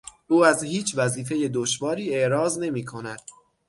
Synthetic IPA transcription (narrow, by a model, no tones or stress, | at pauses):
ʔuːæzhiːt͡ʃʰvæziːfe̞je̞d̪oʃvɒːɾiːeʔɾɒːzne̞miːkʰo̞næd̪̥